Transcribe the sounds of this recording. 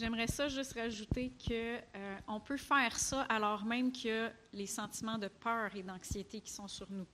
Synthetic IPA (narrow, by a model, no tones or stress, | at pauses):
ʒɛmʁɛsʌʒʏst̪ʁaʒut̪ekʰəøɔ̃pøfɛːʁsʌʔalɔːʁmɛ̃mkʰʲə | lesɑ̃t̪imɑ̃d̪əpœːʁed̪ɑ̃ksjet̪ekʲi̥sɔ̃syʁnu